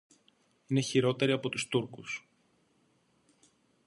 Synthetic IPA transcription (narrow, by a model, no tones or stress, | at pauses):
ine̞çiɾo̞t̪e̞ɾiɐpo̞t̪ust̪uɾkus